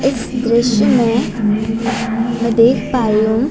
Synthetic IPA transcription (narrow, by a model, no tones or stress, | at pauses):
ɪsd̪ɾɪʃmẽ | mɛ̃d̪eːkʰpaːijũ